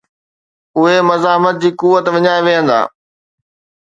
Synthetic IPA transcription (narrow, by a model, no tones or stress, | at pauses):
ʊɦemɐzaːmət̪̚d͡ʑiːkuːʋət̪ʋɪɲaːeʋeɦə̃nd̪a̰ː